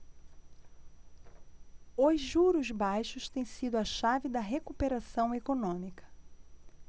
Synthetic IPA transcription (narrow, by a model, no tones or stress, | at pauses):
ozʒuɾʊzbajʃʊst̪ẽj̃sid̪ʊɐʃavɪd̪ɐɦekupeɾasɐ̃w̃ekonõmikɐ̥